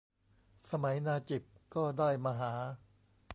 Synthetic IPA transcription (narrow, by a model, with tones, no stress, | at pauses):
sa˧ma˩˦jnaː˧t͡ɕi˨˩p̚kɔː˥˩daː˥˩jmaː˧ɦaː˩˦